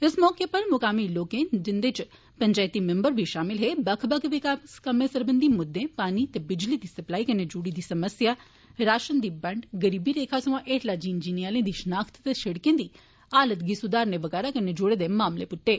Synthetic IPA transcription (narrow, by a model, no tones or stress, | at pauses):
ɪsmɔːkepɐɾmʊkaːmiloːkẽd͡ʒɪnd̪et͡ʃ | pɐ̃ɲd͡ʒaːjt̪imẽmbəɾbʱiʃaːmɪlɦebɐkʰbɐkʋɪkaskɐmẽsɐɾbə̃nd̪ʱimʊd̪ːẽpaːnit̪ebɪd͡ʒlid̪isɐplaːikɐned͡ʒuːɽid̪isɐməsja | ɾaːʃənd̪ibɐɳɖɡɐɾiːbiɾeːkʰasɐʋãʔeːʈlad͡ʒiːnd͡ʒiːnijaːlẽd̪iʃɐnaːkt̪t̪eʃɐɽkẽd̪iː | aːlət̪ɡisud̪aːɾneʋɐɣɛːɾakɐɾned͡ʒoɽed̪emaːmlepʊʈːeː